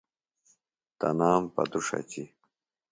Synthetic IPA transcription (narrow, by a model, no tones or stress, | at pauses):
t̪ɐnaːmpɐ̰d̪uʂɐ̰t͡ɕi